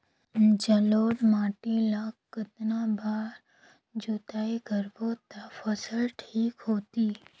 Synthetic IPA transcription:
d͡ʒəloɖmaːʈilakːət̪nabʱaɾ | d͡ʒut̪aiɡəɾʋot̪afəsəlʈʰiːkɦot̪i

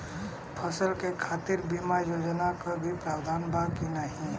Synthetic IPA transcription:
pʰəsəlkekʰaːt̪iɾbimajoːd͡ʒnakabʱipɾaːwd̪ʱaːnbʱaːɡ̚kinaɦĩ

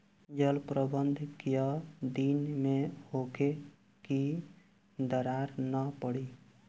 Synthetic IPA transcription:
d͡ʒəlpɾəbənd̪ʱkijəd̪inmehoke | ki | d̪əɾaɾnəpəɽi

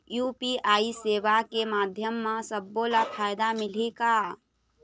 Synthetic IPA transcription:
jupiaːiseːʋakemaːd̪ʱjəmːãsəbːolapʰaːjd̪amɪleka

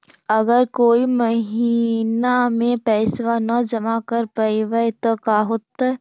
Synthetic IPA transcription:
ɐɡəɾkoːimɐɦiːnamẽpɛːsʋanəd͡ʒɐmakəɾpɐɪʋəɪt̪okaɦot̪a

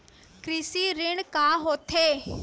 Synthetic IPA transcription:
kɾɪsiːɾɪɳkaːɦoːt̪ʰeː

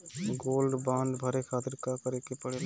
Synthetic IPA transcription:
ɡoːlɖbãːnɖ̪bʱəɾekʰaːt̪ɪɾkakəɾekepəɽe

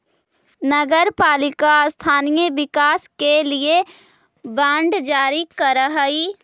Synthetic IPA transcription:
nɐɡəɾpaːlɪkast̪ʰaːnijəʋɪkaːskelie | bãːɳɖd͡ʒaːɾikəɾəɦəi

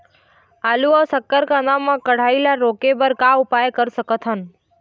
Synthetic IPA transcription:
aːluaːsəkːəɾkanamːãkəɽ̤aːilaɾoːkebəɾkaʊpajkəɾsəkət̪ʰɦən

